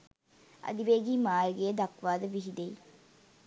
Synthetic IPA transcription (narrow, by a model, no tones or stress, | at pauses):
ɐ̰d̪iʋeːɡiːmaːɾɡejːd̪ɐkʋaːd̪əʋiɦid̪ej